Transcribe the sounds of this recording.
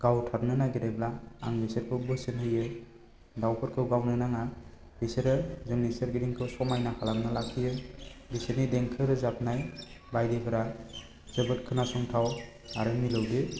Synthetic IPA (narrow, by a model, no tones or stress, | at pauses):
ɡ̥awtʰap̚nɯnaɡeɾeblaa̰ŋbiseɾkʰɯbɯsenhɯjɯ | dawpʰɯɾkʰɯwɡawnɯnaŋa | biseɾɯzɯŋniseɾɡiɾiŋkʰɯwsɔmajnakʰalamnalakʰijɯbisenideŋkʰɯɾɯzap̚ʰnaj | bajdepʰɯɾa | z̥ɯbɯt̚kʰɯnasɔŋtʰaw | a̰ɾɯŋmilɯwdɯ